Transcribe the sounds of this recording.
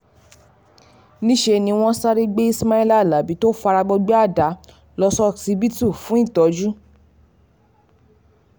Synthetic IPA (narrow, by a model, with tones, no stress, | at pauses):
nĩ˦ʃe˧nĩ˧w̃ɔ̃˦sa˦ɾi˦ɡ͡be˦i˦sma˦i˦la˦˨la˨˦bi˨˦to˦fa˧ɾa˧ɡ͡bɔ˧ɡ͡be˦a˦˨da˨˦ | lɔ˧sɔ˦˨si˧bi˦tu˦˨fũ˨˦i˦˨tɔ˨˦d͡ʒu˦